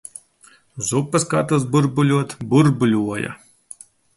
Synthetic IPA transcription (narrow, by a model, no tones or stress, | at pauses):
zupːɨskat̪ɨz̬buɾbulʲuɔt̪buɾbulʲuɔjɐ̰